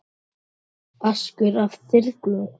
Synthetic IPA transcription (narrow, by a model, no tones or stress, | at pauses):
askʏɾavθɪɾðklowɣ